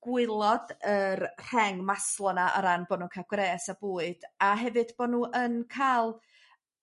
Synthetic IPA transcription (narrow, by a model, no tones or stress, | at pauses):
ɡ̥wɪlˠɔdərr̥ɛŋmaslˠɔnaʔɔ̰ɾanboːdnuːkʰaɡ̥reːsaboːɨd̥aɦɛvɨdb̥oːnuːʔənkʰalˠ